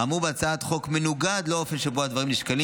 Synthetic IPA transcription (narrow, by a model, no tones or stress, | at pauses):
amʁubeat͡saat̪χo̞kme̞nuɡad̪loo̞fe̞nʃe̞boad̪vaʁimniʃkali